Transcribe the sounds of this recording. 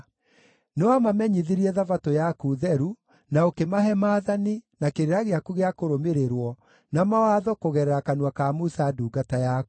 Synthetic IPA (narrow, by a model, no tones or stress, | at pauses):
newamamɛɲiðiɾiɛðavatojakuðɛɾu | naokemaɦɛmaːðaninakeɾeɾaɣeakuɣeakoɾomeɾeɾwɔ | namawaðɔkoɣɛɾɛɾakanwakamusaduːɡatajak